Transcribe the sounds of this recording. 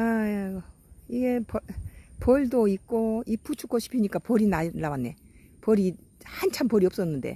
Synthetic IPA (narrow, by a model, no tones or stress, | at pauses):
a | iɡe̞pʌpʌɭdoik̚k͈oipʰut͡ɕʰuk͈ʰoɕʰi̥pʰiɲik͈apʌɾinaːawanːe̞̰pʌɾi | hant͡ɕʰampʌɾiʌp̚s͈ʌnːɯnde̞̰